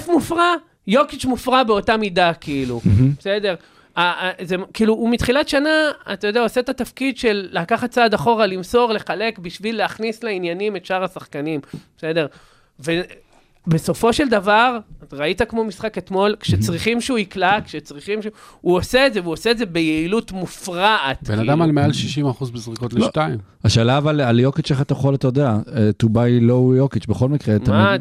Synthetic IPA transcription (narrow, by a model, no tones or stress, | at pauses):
fmufʁa | jokit͡ʃmufʁabeo̞tamidakiilube̥sede̞ʁ | azekiːluumit̪χilatʃanaa̰t̪ajodeaoset̪at̪afkidʃe̞lːaakaχat̚t͡saːd̪aχo̞ʁalimso̞ʁle̞χale̞kbiʃvilːeaχnisleinjanime̞tʃaʁasaχkanimbe̥se̞deʁ | ve | beso̞fo̞ʃe̞ld̪avaʁʁait̪akmo̞misχake̞t̪mo̞lkʃet͡sʁiχimʃeuiklakʃet͡sʁiχimʃuoseːdzevuoseedze̞bejeilutmufʁaʔat̪benad̪amalmealʃiʃimaχuzbezʁikot̪liʃtaim | aʃalavalaljokit͡ʃeχat̪ajχolat̪ajod̪eaet̪ubajlojokit͡ʃbeχo̞lmikʁet̪amm